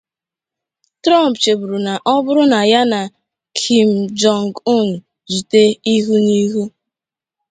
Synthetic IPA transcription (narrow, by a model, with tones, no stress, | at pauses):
tɾɔ˦mpt͡ʃe˨bu˨ɾu˨na˨ʔɔ˦bʊ˦ɾʊ˦na˨ja˦na˨ | kʰi˨m̩˨d͡ʒɔ˨ŋ˨ɡu˦˨n̩˨ | d͡ʒi˨te˦i˦ɦu˦ni˦ɦu˦